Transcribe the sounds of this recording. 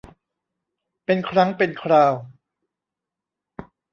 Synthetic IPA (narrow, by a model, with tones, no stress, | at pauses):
pe˧nkʰɾa˦˥ŋpe˧nkʰɾaː˧w